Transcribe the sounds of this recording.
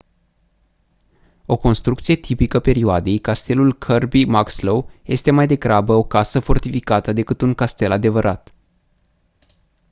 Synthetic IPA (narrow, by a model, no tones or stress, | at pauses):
o̞ko̞nst̪ɾukt̪sije̞t̪ʰipikəpe̞ɾioad̪e̞jkast̪e̞lulkʰərbimakslowje̞st̪e̞majd̪e̞ɡɾabəo̞kasəfo̞rt̪ifikat̪əd̪e̞kɨt̪uŋkast̪e̞lad̪e̞vəɾʔat̪